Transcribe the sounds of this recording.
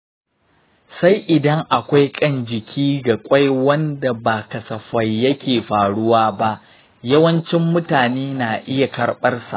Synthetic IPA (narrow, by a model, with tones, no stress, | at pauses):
sa˦jʔɪ˨dɐ˦ŋʔa˨kʷa˦jkʼɐ˦˨nd͡ʒɪ˨kʲʰiː˦ɡa˨kʷʼa˦jwɐ˦nda˨baː˨kɐ˨sɐ˨ɸɐ˨jːɐ˦kʲeː˨ɸaː˨ɽʊ˦waː˦ba˦ʔ | jɐ˦wɐ˦nt͡ʃɪ˦mːʊ˦taː˨neː˦naː˨ʔɪ˦ja˨kɐ˨rɓɐ˦rsa̰˨ʔ